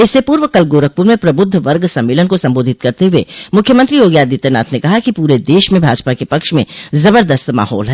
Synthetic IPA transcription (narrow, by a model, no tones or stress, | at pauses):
ɪsːepuːɾʋəkɐlɡoːɾək̚puɾmẽpɾɐbʊd̪ʱːʋɐɾɡsɐ̃mːeːlənkosɐ̃mboːd̪ʱɪt̪̚kɐɾt̪eɦʊemʊkʰjəmə̃nt̪ɾijoːɡjaːd̪iːt̪ena̰ːt̪ʰnekɐɦakipuːɾed̪eːʃmẽbʱaːd͡ʒpakepɐkʃmḛ̃zɐbəɾd̪əst̪ma̰ːɦɔ̰ːlɦɛː